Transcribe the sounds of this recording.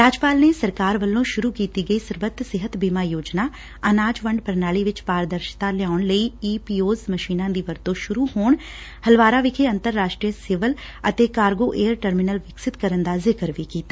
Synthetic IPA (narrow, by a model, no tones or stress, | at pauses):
ɾaːd͡ʒpaːlneːsəɾkaːɾʋəlːõːʃʊɾuːkiːt̪iːɡəiːsəɾʋət̪ːsɪɦət̪biːmaːjoːd͡ʒnaː | ənaːd͡ʒʋəɳɖpəɾnaːliːʋɪt͡ʃpaːɾd̪əɾʃt̪ãːlɪjaːʊɳləiːiːpiːoːzməʃiːnãːd̪iːʋəɾt̪õʃʊɾuːhoːɳ | həlʋaːɾaːʋɪkʰeːənt̪əɾːaːʃʈɾiəsɪʋəl | ət̪eːkaːɾɡoːʔeːəɾʈəɾmɪnəlʋɪksɪt̪kəɾənd̪aːzɪkəɾʋiːkiːt̪aː